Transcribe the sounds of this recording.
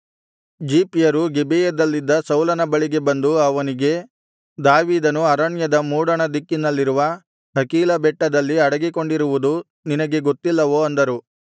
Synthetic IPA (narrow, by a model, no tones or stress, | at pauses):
d͡ʒiːpijɐɾuɡebijɐd̪ɐlːid̪ːɐsɐwlɐnɐbɐɭiɡe̞bɐnd̪uɐʋɐniɡe̞ | d̪aːʋiːd̪ɐnuɐɾɐɳjɐd̪ɐmuːɽɐɳɐd̪ikːinɐlːiɾuʋɐ | ɦɐkiːlɐbɛʈːɐd̪ɐlːiɐɽɐɡiko̞ɳɖiɾuʋud̪u | ninɐɡe̞ɡo̞t̪ːilːɐʋoːɐnd̪ɐɾu